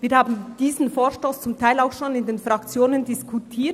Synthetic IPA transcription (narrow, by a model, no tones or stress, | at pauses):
viːɐɾhaːbn̩d̥iːzn̩foːʃtoːst͡sʊmtʰaɪlaʊxʃoːnɪndeːnfʁakt͡sjoːnəndɪskʰutʰiː